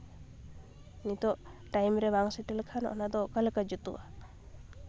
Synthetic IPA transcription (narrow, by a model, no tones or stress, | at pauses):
nit̪ɔʔʈajmɾɛbaŋsiʈəlkʰanɔ̰ʔnad̪ɔkalkad͡ʒut̪ṵʔa